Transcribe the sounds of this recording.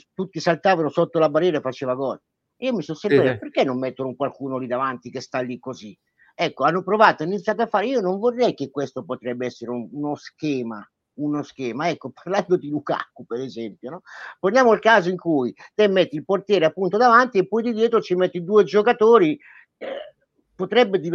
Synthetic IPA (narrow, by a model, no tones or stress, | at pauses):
t̪ut̪ːisalt̪aːvanosot̪ːolabarːɛːɾaefat͡ʃeːvaɡɔːle | iːomisɔsːeɾpɛoperk̟ːenːomːɛt̪ːonokwalkuːnolid̪avant̪ikest̪alːikːozi | ɛkːoanːopɾovaːt̪oinit̪sjat̪̬afːaːɾeiːonoɱvorːɛjk̟ekːwest̪opot̪ɾɛbːeɛsːeɾeuunoskɛːma | unoskɛːmaɛkːoparland̪od̪iluka̰kːupeɾezɛmpjonɔponjaːmoilkaːzoiŋkujt̪emːɛt̪ːilport̪jɛːɾeapːunt̪̬od̪avant̪iepːɔjd̪id̪jɛːt̪ɾot͡ʃimɛt̪ːid̪uːed͡ʒokat̪oːɾi | pot̪ɾɛbːed̪i